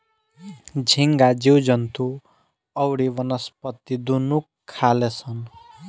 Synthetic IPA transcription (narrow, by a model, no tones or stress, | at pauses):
d͡zʱiŋɡad͡ziwd͡zʌnt̪u | ʌwɽiwʌnʌspʌt̪id̪unukʰːalet͡sʰʌn